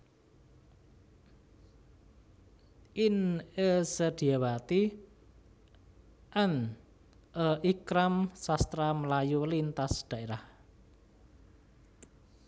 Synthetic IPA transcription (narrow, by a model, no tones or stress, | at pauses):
ʔɪnesəd̪̥i̤awat̪i | ʔɛn | ʔəʔikɾamsast̪ɾaməlajulint̪asd̪̥ä̤ʔeɾah